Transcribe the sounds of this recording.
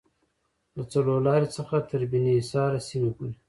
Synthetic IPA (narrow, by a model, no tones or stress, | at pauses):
lat͡salolɑɾet͡səxat̪əɾbinisɑɾasinukul